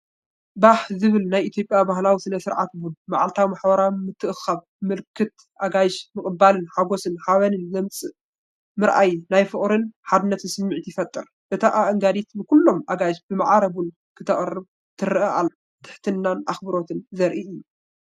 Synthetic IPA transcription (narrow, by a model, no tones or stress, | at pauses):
baħzɨβɨlnajit̪ʰjo̞pʼjabaɦlawisɨnɐsɨɾʕa̰t̪bunma̰ʕalt̪ʰawmaħbɐɾawmɨt̪ʰːɨʔxaβ | mɨlkʰɨt̪ | ʔaɡajʃmɨkʼɨbːalɨnħaɡo̞sɨnħaβɐnɨnzɐmt͡sʼɨ | mɨɾʔa̰jnajfɨχʼɾɨnħad̪ɨnːɐt̪ɨsɨmːɨʕt̪jɪfɐt̪ʼːɨɾ | ʔɨt̪ʰaʔaʔɐŋɡad̪it̪bɨkulːo̞mʔaɡajʃbɨmaʕaɾɐbun | kʰɨ̥t̪ʰɐχʼrɨb | t̪ʰɨɾɨʔɐʔalː | t̪ʰɨ̥ħt̪ʰɨnːanʔaxbɨɾo̞t̪ʰɨnzɐɾʔiɨjːu